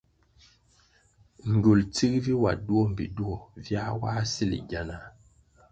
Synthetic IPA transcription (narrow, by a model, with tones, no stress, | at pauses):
ŋ̩˨ɡo˨lt͡si˦kvi˦wa̰˨du˦o˦m̩˨bḭ˨du˦o˨vja˦waː˦si˦lḭ˨ɡa˨na˨